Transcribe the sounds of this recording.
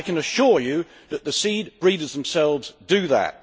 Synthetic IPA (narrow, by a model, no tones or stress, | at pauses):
ɪkə̃nəʃʊɹjɨ | ðəʔ̪̚ðəsiːd̚b̥ɹiɾəzðə̃m̩sɛlˠvzdɨðə̰t̚